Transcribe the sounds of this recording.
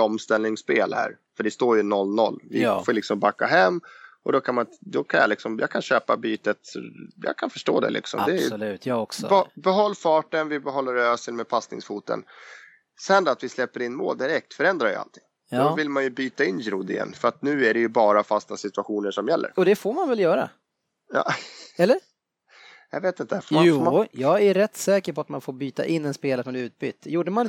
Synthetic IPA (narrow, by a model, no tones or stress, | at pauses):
ɔmst̪ɛlnɪŋspeːlhæ̰ːɾ | fœɖɛst̪oːɾjɵnɔlːnɔ̰lːvɪfoːlɪksɔmbakːaɦɛmːʔɔd̪ɔkʰanmand̪ɔkʰanja̰lɪksɔmjɑ̰ːkʰanɕøːpa̰byːt̪ət̪jɑ̰ːkʰanfœʂʈo̰ːd̪ɛ̰lɪ̰ksɔ̰md̪ɛj̪sbbɛɦɔlːfɑːʈənvɪbɛɦɔlːəɾøːsəlmɛpʰasnɪ̰ŋsfuːt̪ə̰n | sɛnd̪at̪vɪslɛpːəɾɪnːmo̰ːld̪ɪɾɛk̚t̪fœɾɛnd̪ɾaɾjə̰a̰lt̪ʰɪŋː | jdɔvɪlmanjɵbyːt̪aɪnːjɾʊd̪ɪ̰jɛ̰nːfœɾat̪nʉ̟ːæɖɛjɵbɑːɾafast̪asɪt̪ɵaɧuːnəʂɔmjɛlːə̰ɾɔd̪ɛfoɾmanvɛljœːɾa̰ | jɑ̰ːɛlːəɾ | jɑ̰veːt̪ɪnt̪əfmauːjɑːɡæɾɛt̪ːsɛːkəɾpɔat̪manfoːɾbyːt̪a̰ʔɪnːɛnspeːlasɔmnʉ̟ːt̪̚by̰ːt̪ːjuːɖəman